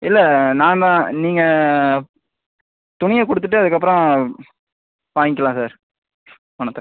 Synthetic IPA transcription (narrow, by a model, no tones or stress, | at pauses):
ɪlːɐnãːnd̪ãːniːŋɡɐ | t̪ʊɳɪjɐkɔɽɯt̪̬ːɯʈːɯɐðɯkːɐp̬ːɾɔ̃ | paːŋɪk̬ːɐlãːsaːɾ | ɔnɐt̪ːɐ